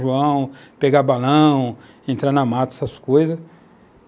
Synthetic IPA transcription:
ʒuɐ̃w̃peɡabalɐ̃w̃ | ẽnt̪ɾanɐmat̪ɛsɐskojzɐs

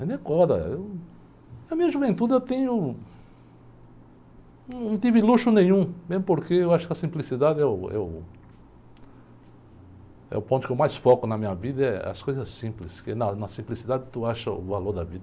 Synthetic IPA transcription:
d̪ẽkɔɾd̪ɐ̰ew | nɐmĩɲɐʒuvẽnt̪ud̪ɪewt̪ẽɲʊ | ñnɐ̃w̃t̪ivɪluʃʊnẽj̃ɲ̃ũmezmʊpoɾkeewaʃʊ̥kɪɐsĩmplisid̪ad̪ɪɛʊɛ̰ʊ | ɛ̰ʊpõt̪ʊkewmajsfɔkʊnɐmĩɲɐvid̪ɐɛɐ̰skojzɐsːĩplɪskenɐnɐsĩmplisid̪ad̪ɪt̪uaʃɐʊ̰valoɾd̪ɐvid̪ɐ

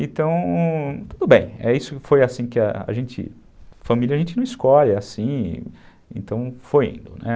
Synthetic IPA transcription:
ẽt̪ɐ̃w̃t̪ud̪ʊbẽj̃ɛisʊfojasĩkɪa̰a̰ʒẽnt͡ʃɪ̰ | fɐmiljɐaʒẽnt͡ʃɪnɐ̃w̃iskɔʎɪasḭ̃ | ḛ̃nt̪ɐ̃w̃fojḭ̃nd̪ʊnɛ

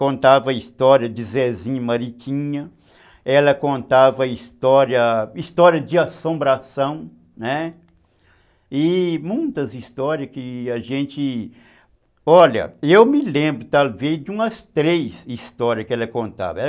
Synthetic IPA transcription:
kõnt̪avɐist̪ɔɾiɐd͡ʒɪzɛzĩɲɐmaɾikʰĩɲɐ | ɛlɐkõnt̪avɐist̪ɔɾɐist̪ɔɾiɐd͡ʒɪasõmbɾasɐ̃w̃ | nɛ | ɪmũj̃t̪ɐzist̪ɔɾiɐskɪaʒẽt͡ʃɪ | ɔʎɐ̰ewmɪlẽmbɾʊt̪alvejd͡ʒɪũmɐst̪ɾejsist̪ɔɾiɐskɪɛlɐkõnt̪a̰vɐɛ

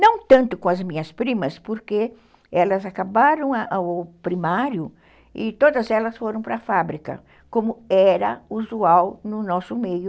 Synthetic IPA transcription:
nɐ̃w̃t̪ɐ̃nt̪ʊkõɐzmĩɲɐspɾĩmɐspoɾke | ɛlɐzakabaɾɐ̃w̃aʔpɾimaɾjʊ | ɪt̪od̪ɐzɛlɐsfoɾɐ̃w̃pɾɐfabɾikɐ̰ | kõmʊɛɾɐuzuawnʊnɔsʊmejʊ

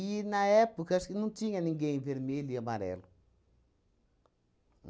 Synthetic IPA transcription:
inaɛpukaskɪnũt̪iɲɐnĩŋɡẽĩveɾmeliamaɾɛ̰lu

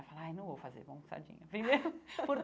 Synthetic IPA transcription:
falajnɐ̃w̃vowfazḛɾbõsa̰d͡ʒḭ̃ɲɐpɾimeɾʊpʊɾ

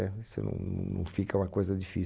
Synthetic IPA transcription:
ɛsḛnɐ̰̃w̰̃nɐ̰̃w̃fikɐũmɐkojzɐd̪ifi

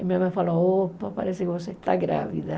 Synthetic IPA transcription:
emiamɛfalɔopːapa̰ɾɛsːekeosɛt̪aɡɾa̰vḭd̪a

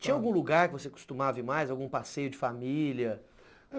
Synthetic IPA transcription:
t͡ʃĩɲɐawɡũluɡaɾkɪvosekʊ̥st̪ũmavɪmajzawɡũpasejʊd͡ʒɪfamiljɐ

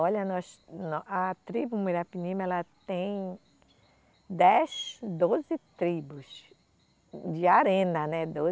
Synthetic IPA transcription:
ɔʎɐnɔsnɔʔɐt̪ɾibʊmuɾapinĩmɐɛlɐt̪ẽj̃ | d̪ɛsd̪ozɪt̪ɾibʊs | d͡ʒɪaɾẽnɐnɛd̪o

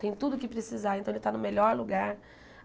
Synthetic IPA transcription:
t̪ẽj̃t̪ud̪ʊkɪpɾɪsizaẽt̪ɐ̃elɪt̪anʊmeʎɔɾluɡaɾ

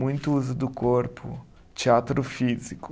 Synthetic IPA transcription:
ũj̃t̪ʊuzʊd̪ʊkoɾpʰʊ̰ | t͡ʃiat̪ɾʊfizikʊ

